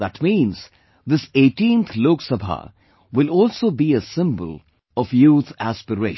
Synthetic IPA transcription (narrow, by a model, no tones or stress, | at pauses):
ðæʈmĩːnz̥ | d̪ɪseːʈĩnt̪ʰloːksəbʱa̰ | wɪlɔːlsoːbiəsɪ̃mbə̰l | ɔfjuːt̪ʰæspəɾeː